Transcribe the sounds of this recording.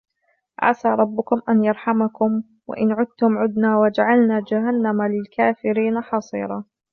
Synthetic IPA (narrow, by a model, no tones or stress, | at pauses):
ʔa̰saːɾˤɑbːʊkʊmʔanjɑɾˤħamakʊm | wa̰ʔɪnʕʊd̪̚t̪ʊmʕʊd̪naːwad͡ʒaʕalnaːd͡ʒaɦanːamalɪlkaːfɪɾiːnaħɑsˤḭːɾˤɑː